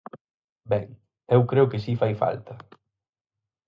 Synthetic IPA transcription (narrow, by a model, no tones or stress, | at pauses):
bɛŋ | ewkɾeʊkɪsifajfa̰lt̪ɐ